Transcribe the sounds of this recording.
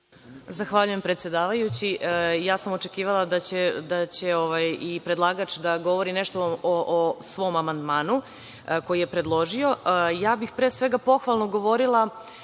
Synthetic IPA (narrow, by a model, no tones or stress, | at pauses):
zaxʋaʎuje̞mpɾet̪sʲje̞d̪aːʋajut͡ɕiʔjaːsamo̞t͡ʃekiːʋalˠad̪at͡ɕed̪at͡ɕe̞o̞ʋajipɾe̞d̪lˠaːɡat͡ʃd̪aɡo̞ʋo̞ɾineʃt̪ooʔosʋo̞ːmamand̪maːnu | ko̞jijepɾe̞d̪lˠo̞ʒio̞jaːbixpɾeːsʋe̞ɡapo̞xʋalˠnoɡo̞ʋo̞ɾilˠa